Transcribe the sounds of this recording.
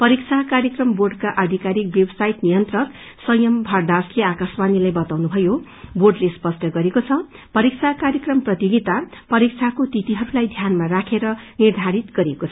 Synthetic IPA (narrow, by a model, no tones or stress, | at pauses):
pʌɾikt͡sʰakaɾjʌkrʌmborɖkaʔad̪ʱikaɾik̚bjebsajit̪nijʌnt̪rʌr | sʌjʌmbʱʌrd̪asleakasbanilajbʌt̪awnubʱʌjo | borɖlespʌsʈʰʌɡʌɾekot͡sʰʌpʌɾik̚t͡sʰakaɾjʌkrʌmprʌt̪joɡit̪apʌɾik̚t͡sʰakot̪it̪iɦʌɾulajd̪ʱjanmarakʰeɾʌnird̪ʱaɾit̪ɡʌɾekot͡sʰʌʌ